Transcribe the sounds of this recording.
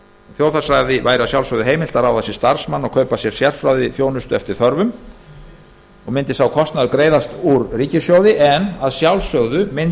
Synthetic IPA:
θjowθasɾajðɪvaːjɾasjawlsœɣðʏɦeːjmɪlt̪aɾawðasjɛɾst̪ar̥smanːɔɣkʰœɥpasjɛɾ̥sjɛr̥fɾawðɪθjoːwnʏst̪ʏɛft̪ɪɾ̥θœɾvʏm | ɔɣmɪnt̪ɪsawkʰɔst̪naðʏkɾeːjðast̪uɾriːcɪsjoːwðɪʔɛnaðsjawlsœɣðʏmɪn

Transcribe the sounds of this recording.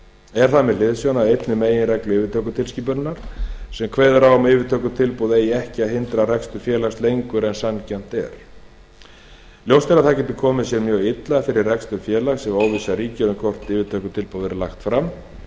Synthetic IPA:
ɛɾ̥θamɛlɪðsjownaejt̪nʏmeːjɪnrɛklʏɪːvɪt̪ʰœːkʏt̪ʰɪlsciːp̬ʏɾnaɾ̥sɛmkʰveːjðʏɾawɔmɪːvɪt̪ʰœːkʏt̪ʰɪlpuwðejɛhcɪaðɦɪnt̪ɾarɛkst̪ʏfjɛːlast̪lejŋkʏɾɛnsancɛn̥t̪ɛ̰ɾ̥ | ljowst̪ɛɾaðθacɛt̪ɪ̥kʰɔːmɪsjɛɾmjœːɣɪt̪laðfɪɾɪrrɛkst̪ʏfjɛːlaɣsɛmoːwvisaɾiːcʏðʏkʰɔr̥t̪ɪːvɪt̪ʰœːkʏt̪ʰɪlpuːðɛɾlaxt̪fɾam

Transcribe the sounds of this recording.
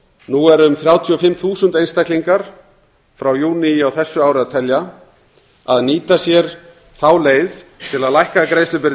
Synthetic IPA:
nuɛɾʏmθɾjaːwt̪ʰiɔfɪmːθuːsʏnt̪ejnst̪ajk̪liŋkaɾ̥ | fɾawjuːnɪawθɛsːʏawɾɪaðt̪ʰɛlja | aðniːt̪asjɛɾ̥ | θawleːjðt̪ʰɪlaðlajhkakɾeːjst̪ʏpɪɾð

